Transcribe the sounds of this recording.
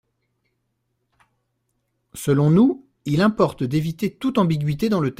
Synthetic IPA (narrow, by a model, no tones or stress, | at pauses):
səlɔ̃nu | ilɛ̃pɔʁt̪d̪evit̪et̪ut̪ɑ̃biɡʲɥit̪ed̪ɑ̃lət̪